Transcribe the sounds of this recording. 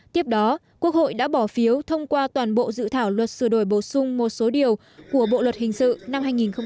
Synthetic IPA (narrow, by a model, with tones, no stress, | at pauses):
t̪i˦˥əp̚ɗɔ˨˦ | ku˦˥ək̚ho̰˧˨jɗa̰ː˧˥ɓɔ˧˩fi˨˦əwt̪ʰə˧wŋ͡mkwaː˧t̪waː˨˩nɓo̰˧˨zɨ̰˧˨t̪ʰaː˧˩wlwə˨˩t̚sɨ˧˩ɗo˧˩jɓo˧˩sʊ˧ŋ͡mmo˨˩t̚so˨˦ɗi˨˩əw | ku˧˩əɓo̰˧˨lwə˨˩t̚hï˨˩ŋ̟sɨ̰˧˨na˧mhɦaː˧jŋi˨˩nxə˧w